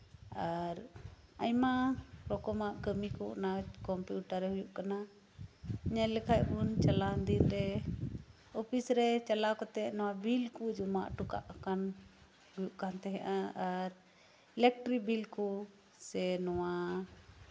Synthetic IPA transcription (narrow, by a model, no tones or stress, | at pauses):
aɾaɲmaɾɔkɔmaʔkəmikɔ̰nakɔmpjuʈaɾɛhujuʔkana | ɲɛlɛkʰajʔbunt͡ʃalaənd̪iɾɾɛ | ɔpʰisɾɛt͡ʃalakɔt̪ɛnɔwabilkud͡ʒuma̰ʔʈuka̰ʔkan | hujuʔkant̪ɛɦɛʔaaɾ | ɛlɛk̚ʈɾibilkɔ | sɛnɔwa